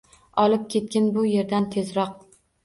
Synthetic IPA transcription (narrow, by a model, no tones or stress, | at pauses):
ɒlˠɪp̚kʲʰe̞t̪̚kʲɪnbʊje̞ɾd̪ant̪ʰe̞zɾɒq̚